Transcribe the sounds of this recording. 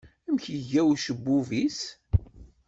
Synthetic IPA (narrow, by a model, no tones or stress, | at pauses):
æmçəʝæwʃəbːuvis